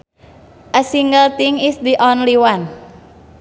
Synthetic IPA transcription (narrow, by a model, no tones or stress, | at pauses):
ʔəsiŋɡəlt̪ɪŋisd̪iʔɔnliwan